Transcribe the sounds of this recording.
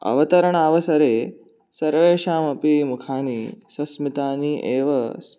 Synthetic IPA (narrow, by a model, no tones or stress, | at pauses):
ɐ̰ʋɐt̪ɐɾɐɳ̃aːʋɐsɐɾeː | sɐɾʋeːʃaːmɐpimukʰaːniːsɐsmit̪aːniːʔeːʋɐs